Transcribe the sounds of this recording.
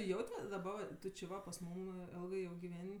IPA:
ˈjɛʊtʲ ˈʋɐ dɐˈbɐ ʋɐ ˈtʊ t͡ʃʲɪ ˈʋɐ pɐs ˈmuːm ˈɛlˠɡɜ ˈjɛʊ ɡʲɪˈʋʲɛnʲ

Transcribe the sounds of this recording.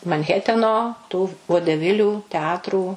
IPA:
mɐnʲˈɣʲæːtʲɛnoː tuː ʋoːdʲɛˈʋʲɪlʲuː tʲɛˈɑːtruː

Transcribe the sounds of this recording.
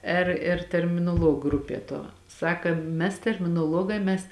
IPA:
ˈɪr ɪr tʲɛrʲmʲɪnoːˈlˠuɔk ˈɡrʊpʲiɛ tuɔ ˈsɑːkɐ ˈmʲɛs tʲɛrʲmʲɪnoːˈlˠuɔɡɑː mʲɛs

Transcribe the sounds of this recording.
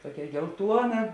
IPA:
ˈtoːkʲɛ ɡʲɛlˠˈtuɔnɐ

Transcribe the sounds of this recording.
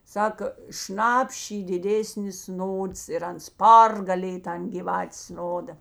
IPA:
ˈsɑːkoː ˈʃnɐpʲʃʲ ˈiː dʲɪˈdʲeːsʲnʲɪs ˈnoːts ɪr ˈɐns ˈpɐrɡɐlʲeːj ˈtɐn ɡʲiːˈʋɑːtʲeːs ˈnoːdɐ

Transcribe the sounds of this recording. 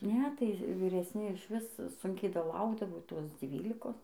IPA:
ˈnʲɛ tɐɪ ʋʲɪrʲɛsʲˈnʲɪ ɪʃʲˈʋʲɪs ˈsʊŋʲkʲɛɪ dɐˈlˠɐʊɡdɐʋoː ˈtoːs ˈd͡zʲʋʲiːlʲɪkoːs

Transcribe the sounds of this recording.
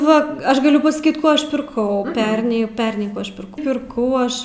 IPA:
ˈʋɐ ˈɐʃ ɡɐˈlʲʊ pɐsɐˈkʲiːt ˈkoː ˈɐʃ pʲɪrˈkɐʊ ˈpʲɛrʲnʲɛɪ ˈpʲɛrʲnʲɛɪ ˈkuː ɐʃ pʲɪrˈkɐʊ ˈpʲɪrkɐʊ ˈɐʃ

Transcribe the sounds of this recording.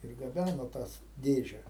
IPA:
ɪr ɡɐˈbʲænoː ˈtɐs ˈdʲeːʒʲɛ

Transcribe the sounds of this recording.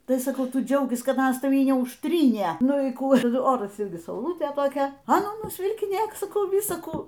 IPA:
ˈtɐɪ sɐˈkɐʊ ˈtʊ ˈd͡ʒʲɛʊkʲɪs ˈkɐt ˈɑːnɐs tɐˈʋʲiː nʲɛʊʃʲˈtʲrʲiːnʲeː ˈnʊ iː ˈkuː ˈoːrɐs ˈɪrʲɡʲɪ sɐʊˈlˠʊtʲeː toːˈkʲɛ ɐ ˈnuː nʊsʲʋʲɪlʲkʲɪˈnʲeːk sɐˈkɐʊ ˈʋʲɪsɐ ˈkuː

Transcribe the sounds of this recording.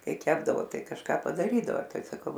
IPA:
ˈkɐɪ ˈkʲæːbdɐʋoː ˈtɐɪ kɐʃˈkɑː pɐdɐˈrʲiːdɐʋoː ˈtɐɪ sɐˈkɐʊ

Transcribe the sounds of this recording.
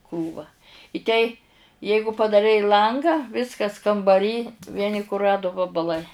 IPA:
ˈkruːʋɐ ɪ ˈtʲɛɪ ˈjɛɪɡʊ pɐdɐˈrʲɛɪ ˈlˠɐŋɡɑː ˈʋʲɪskɐs kɐmbɐˈrʲiː ˈʋʲiɛnʲɪ kʊˈrɑːdʊ ʋɐbɐˈlˠɐɪ

